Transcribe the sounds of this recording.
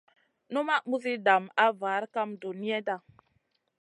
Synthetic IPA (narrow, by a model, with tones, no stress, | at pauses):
nu˦ma˦mu˦zi˦da˨ma˦va˨˦ɾka˦mdu˨ni˦e˦da˦˨